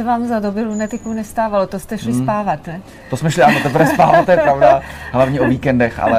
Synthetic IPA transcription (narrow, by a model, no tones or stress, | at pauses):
sɛvaːmzadobɪlunɛt̪ɪkownɛst̪aːvalot̪ost̪ɛʃlɪspaːvat̪nɛ | t̪osmɛʃlɪanot̪ɛp̬ɾvɛspaːvat̪ɛjɛpɾavdaɦlavɲɛoviːkɛndɛxʔa̰lɛ